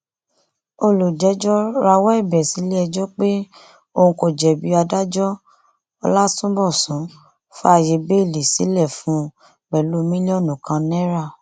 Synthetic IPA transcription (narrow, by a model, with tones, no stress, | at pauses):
o˧lu˨d͡ʒɛ˨˦d͡ʒɔ˦ɾa˧wɔ˦ɛ˦˨bɛ˨si˨˦le˦ɛ˧d͡ʒɔ˦k͡pe˦ | o˦˧hũ˧ko˨d͡ʒɛ˨bi˨˧˦a˧da˦d͡ʒɔ˦ | ɔ˧la˦tũ˦bɔ˦˨sũ˨˦ | fa˧˨je˧be˦˨li˨si˨˦lɛ˦˨fũ˨˦ | k͡pɛ˨lu˦mĩ˦li˦ɔ˦˨nũ˨kã˧nɛ̃˦ɾa˦˨